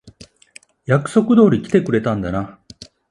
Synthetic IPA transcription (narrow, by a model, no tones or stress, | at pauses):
jakɯ̟̥so̞kɯ̟d̪o̞ːɾʲikʲi̥t̪e̞kɯ̟ɾe̞t̪ãnd̪ana